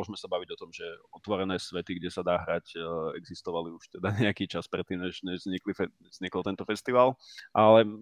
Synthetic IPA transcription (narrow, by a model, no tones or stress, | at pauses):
ɔʒmɛsabaʋiɟɔt̪ɔmʒɛɔt̪ʋɔɾɛnɛːsʋɛt̪iɡɟɛsad̪aːɦɾacɛɡzist̪ɔʋaliuʃt̪ɛd̪aɲɛakiːt͡ʃaspɾɛt̪ːiːmɲɛʒɲɛʒzɲiklifɛɛzɲikɔlt̪ɛnt̪ɔfɛst̪iʋaːlʔalɛ